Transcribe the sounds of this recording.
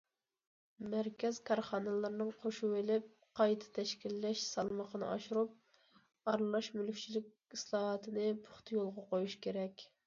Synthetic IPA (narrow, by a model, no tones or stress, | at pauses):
mæɾkʲɛz̥kʰɑɾχɑːnɛlˠɨɾnɨŋqʰoʃuwelɪp̚ | qʰɑjt̪ʰɨ̥t̪ʰɛʃkʲilːɛʃsɑlˠməqʰənɨ̰ɑ̰ʃuɾup̚ | ɑɾlˠɑʃmylkʲt͡ʃʰilɪkʲislˠɑːɦɑt̪ʰɨnɨpʰʊχt̪ʰɨjolˠʁɑqojuʃkʲʰeɾɛkʲ